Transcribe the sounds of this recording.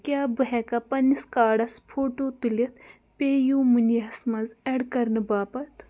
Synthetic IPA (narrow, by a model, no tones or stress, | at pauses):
kʲjaːbɨɦɛkɐpɐniskaːɽɐspʰoːʈoːt̪ulɐt̪ʰ | peːjuːmunjɐɐsmɐzɛːɖkɐɾnɨbaːpɐt̪ʰ